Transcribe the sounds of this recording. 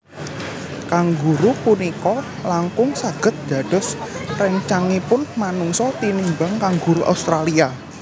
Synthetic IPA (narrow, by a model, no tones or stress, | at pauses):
kaŋɡuɾupunikɔ | laŋkʊŋsaɡ̥ə̤t̪̚d̪̥a̤ɖ̥ɔ̤srɛɲt͡ʃaŋipʊnmanuŋsɔt̪inimbaŋkaŋɡuɾuʔa̰ust̪ɾalia